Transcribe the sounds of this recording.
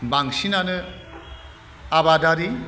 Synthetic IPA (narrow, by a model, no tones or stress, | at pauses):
baŋsinanɯ | aβadaɾi